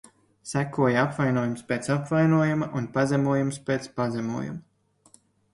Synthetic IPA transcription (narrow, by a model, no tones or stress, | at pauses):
sækuɔjaapvajnuɔjumspʲeːt̪sapvajnuɔjumɐʔunpazʲɛmuɔjumspʲeːt̪spazʲɛmṵɔjṵmɐ